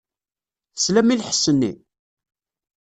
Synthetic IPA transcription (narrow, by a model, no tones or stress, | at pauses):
θəslæmilħə̥sːənːḭ